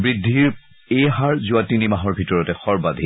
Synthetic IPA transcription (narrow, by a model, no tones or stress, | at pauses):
bɹidʱːiɹ | ejɦaɹzʊatinimaɦɔɹbʱitɔɹɔtɛxɔɹbad̪ʱi